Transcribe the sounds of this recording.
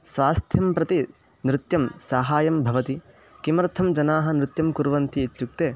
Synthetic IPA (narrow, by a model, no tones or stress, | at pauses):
sʋaːst̪ʰjɐmpɾɐt̪i | nɾɪt̪jɐmsaːɦaːjɐmbʱɐʋɐt̪i | kimɐɾt̪ʰɐmd͡ʒɐnaːɦɐnɾɪt̪jɐmkuɾʋɐnt̪iːt̪juk̚t̪eː